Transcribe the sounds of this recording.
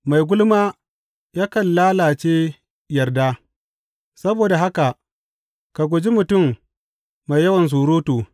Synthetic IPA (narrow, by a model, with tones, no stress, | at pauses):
ma˨jɡʷʊ˦lmaː˦ | jaː˦kɐ˨nlaː˦laː˨t͡ʃeː˦ | jɐ˨rda˦ | sɐ˦boː˨da˨ɦa˦ka˨ʔ | ka˨ɡʷʊ˨d͡ʒi˦mʊ˨tʊ˦˨mː | a˨jɐ˦wɐ˨ns̬uː˨ɾoː˦toː˨